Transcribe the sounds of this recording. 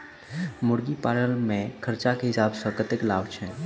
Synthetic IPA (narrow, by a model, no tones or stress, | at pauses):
mʊɽɡipaːɾəlmẽkʰəɾt͡ʃakeɦɪsaːbsəkət̪ɪklaːʋt͡ʃʰɛ